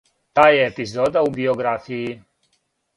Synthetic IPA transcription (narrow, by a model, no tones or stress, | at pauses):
t̪aːjeːpizoːd̪aubioɡɾafiji